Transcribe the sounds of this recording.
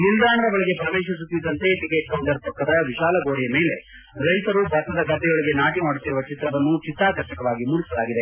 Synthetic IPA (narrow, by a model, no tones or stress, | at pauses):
muld̪aːɳɐɾɐbɐɭiɡe̞pɾɐʋɛːʃis̬ut̪ːid̪ːɐnt̪e̞ʈikeʈ̚kɐwɳɖɐɾp̪ɐkːɐd̪ɐʋiʃaːlɐɡo̞ːɽijɐmeːle̞ | ɾɐjt̪ɐɾubʱɐt̪ːɐd̪ɐɡɐt̪ːɛɡɐɭiɡe̞naːʈimaːɽut̪ːiɾuʋɐt͡ʃit̪ɾɐʋɐnːut͡ʃit̪ɾaːkɐɾʃɐkɐʋaːɡimuːɽisɐlaːɡid̪e̞